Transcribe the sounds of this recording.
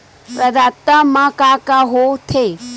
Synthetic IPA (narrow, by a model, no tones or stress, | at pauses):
pɾɐd̪at̪ːəmakakaɦot̪ʰe